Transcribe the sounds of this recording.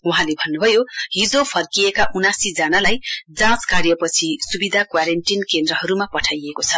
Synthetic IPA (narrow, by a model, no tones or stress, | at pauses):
uɦãlebʱʌnːubʱʌjoɦid͡zopʰʌrkiekaʔunasid͡zʌnalajd͡zãt͡skaɾjʌpʌt͡sʰisubid̪ʱakwaɾenʈinkend̪ɾʌɦʌɾumapʌʈʰajekot͡sʰʌ